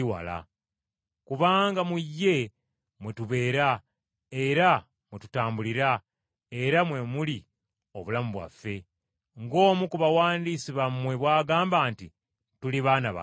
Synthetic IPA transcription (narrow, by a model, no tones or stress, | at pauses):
iwa̰la̰ | kuβaːŋɡamujːe̞ | mwetuβe̞ːɾa | e̞ɾa | mwetu̥taːmbuliɾa | e̞ɾamwe̞muli | o̞βulamuβwa̰fːe̞ | ŋɡo̞ːmukuβawaːndisiβammwe̞βwaːɡaːmbaːnti | tuliβaːnaβa̰